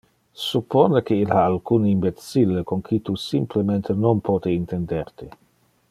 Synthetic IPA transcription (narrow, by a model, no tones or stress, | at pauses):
supʰːoːnekeilhaːlkuːnimbet̪silːekoŋkʰit̪usimplement̪enompʰoːt̪eint̪end̪ert̪e